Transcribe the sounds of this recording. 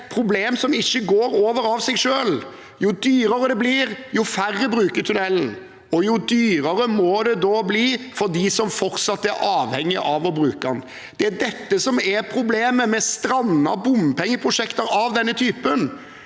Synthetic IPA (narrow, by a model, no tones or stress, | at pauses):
pʰɾʊbleːmsɔmɪçːəɡoːɾoːʋəɾɑʋsɛɡʂøːl | jʊd̪yːɾɑɾəd̪ɛbliːɾjʊfærːəbɾʉːkəɾt̪ʰʉnɛlːn | ɔjʊd̪yːɾəɾəmɔd̪ɛd̪oːbliːfɔɾd̪iːsɔmfɔɾt̪sɑt̪ːæɾʔɑːʋhɛŋːɪʔɑʋɔbɾʉːkɑn | d̪̥ɛæd̪ɛt̪ːəsɔmæɾpʰɾʊbleːməmɛst̪ɾɑnːɑ̰bʊmpʰɛŋːəpʰɾʊʂɛkt̪əɾɑʋd̪ɛnːət̪ʰyːpən